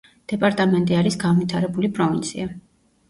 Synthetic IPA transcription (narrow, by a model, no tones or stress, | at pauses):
d̪̥ɛpʼaɾt̪ʼamɛnt̪ʼiaɾisɡanvit̪ʰaɾɛbulipʼɾɔvint̪sʰḭa